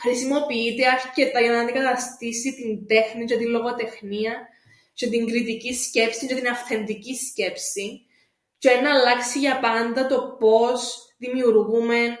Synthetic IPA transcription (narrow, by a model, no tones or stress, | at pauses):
xɾisimo̞piit̪eɐɾce̞t̪ɐʝɐnɐnd̪eɡɐt̪ɐst̪isit̪ind̪e̞xnit͡ʃet̪ilo̞ɣo̞t̪e̞xniɐ | t͡ʃet̪iŋɡɾit̪icisce̞psiɲd͡ʒet̪inɐfθe̞nd̪icisce̞psi | t͡ʃeenɐːlɐksiʝɐpɐnd̪ɐt̪o̞po̞sðimiuɾɣume̞